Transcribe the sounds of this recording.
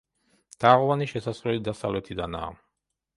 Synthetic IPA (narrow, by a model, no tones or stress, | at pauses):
d̪̥aːʁɔvaniʃɛsasχɾɛlid̪asavlɛt̪ʰid̪ana̰ː